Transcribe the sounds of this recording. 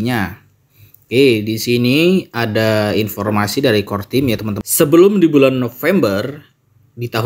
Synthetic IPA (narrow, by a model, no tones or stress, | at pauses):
ɲa | kedisiniadainfɔrmasidaɾikɔrt̪imjat̪əmant̪əsəbəlʊmdibulanːofɛmbər | dit̪aɦ